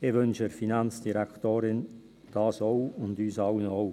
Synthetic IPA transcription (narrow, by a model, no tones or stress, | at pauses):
ɪvʏnʃəfinant͡sd̥iɾɛktoːɾɪn | d̥ɑːsoʊʊndyːsɑlənoʊ